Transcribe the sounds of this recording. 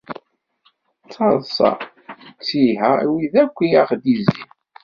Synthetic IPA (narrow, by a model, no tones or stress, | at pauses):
t͡sːɑðˤsɑ̰ | t͡sːiɦæwiðækʷːijæχd̪izḭn